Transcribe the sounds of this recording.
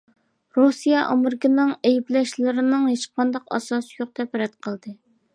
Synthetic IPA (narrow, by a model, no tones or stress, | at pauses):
ɾusijɛʔɑmɨɾkʲɪnɨŋɛjiplɛʃlɪɾɪnɨŋheʃqʰɑnd̪ɑqɑ̰sɑsjoq̚d̪ɛpɛɾɛt̪qʰəlˠd̪ɨ